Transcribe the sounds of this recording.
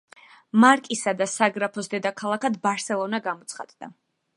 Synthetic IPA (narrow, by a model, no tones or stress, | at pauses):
maɾkʼisad̪asaɡɾapʰɔsd̪ɛd̪akʰalˠakʰad̪baɾsɛlˠɔnaɡamɔt̪sʰχa̰d̪̥d̪a̰